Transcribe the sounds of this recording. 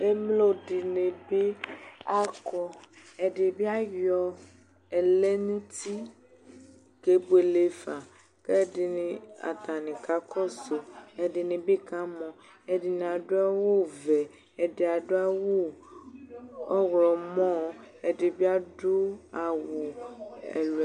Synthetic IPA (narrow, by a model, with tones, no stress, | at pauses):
e˦mlo˦ɖi˨nẽ˨be˦a˦kɔ˦ | e˨ɖe˨bi˦a˦jɔ˨ | e˨le˦nũ˦t̪i˦ | ke˦bo˦e˨le˦fa˨ | ke˦di˨nĩ˨a̰˨t̪a˨nĩ˨ka˦kʰɔ˦so˨e˨ɖe˨nẽ˨be˦ka˦mɔ̃˨ | e˨ɖi˨ñ˨a˨ɖo˦a˦wo˦vɛ˨ | e˨de˨a˨ɖo˦a˦wo˦ | ɔ˦ɣlɔ˨mɔ̃˦e˨ɖe˨bi˦a˦ɖo˦a˨wo˨ɛ̰˨l